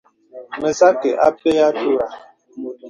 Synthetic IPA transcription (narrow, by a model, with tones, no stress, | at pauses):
me˨sa˦ke˨ʔa̰˦pe˦ja˦tu˦ɾa˨